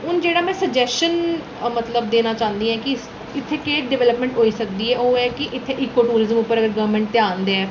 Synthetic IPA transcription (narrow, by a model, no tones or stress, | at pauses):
ʊnd͡ʒeːɽaːmɛ̃ːsəɡd͡ʒɛːsʃən | mət̪ləb̚d̪eːnaːt͡ʃãːnd̪iːɛ̃ːkɪ | ɪt̪ʰːeːkeːʈɖɪʋɛːləpmɛ̃ːɳʈɦoːiːsəkd̪iːɦɛːʔoːɛːkɪʔɪt̪ʰːeːʔɪːkːoːʈuːɾɪzəmʊpːəɾəɡəɾɡəʋmɛ̃ːɳʈ̚t̪jaːnd̪eɛː